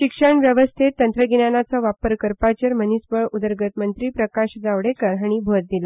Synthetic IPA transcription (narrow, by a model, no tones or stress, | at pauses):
ɕikʂəɳʋjəʋəst̪ʰet̪ːənt̪ɾəɡinanat͡sɔʋapəɾkəɾpat͡ɕəɾmənisbəɭud̪əɾɡət̪mənt̪ɾiːpɾəkaɕd͡zaʋɽekəɾɦaɽ̃ibʱot̪̚d̪ila